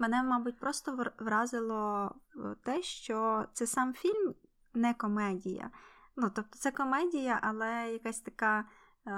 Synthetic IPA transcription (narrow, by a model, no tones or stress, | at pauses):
menɛmɑbut̚ʲpɾɔst̪ɔʋʋɾɑzɪlˠɔ | t̪ɛʃt͡ʃɔt̪sɛsɑmfʲilʲm | nɛkɔmɛdʲijɐ̰ | nut̪ɔp̚t̪ɔ̥t̪sɛkɔmɛdʲijɐʔɐlˠɛjɐkasʲt̪ɐkɑ